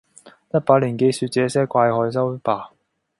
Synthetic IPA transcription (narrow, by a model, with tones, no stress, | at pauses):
jɐ˥t̚paː˧˥t̚liː˨˩nke˧jsyː˧t̚t͡sɛː˨˥sɛː˥kʷaː˧jhɔː˨˧js̬ɐ˥wpaː˨˩